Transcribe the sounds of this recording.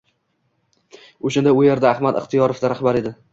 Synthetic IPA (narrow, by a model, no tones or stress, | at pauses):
oʃand̪aʊje̞ɾd̪aːhmad̪ɪ̰χt̪ʰijɒɾofd̪aɾahbaɾe̞d̪ɪ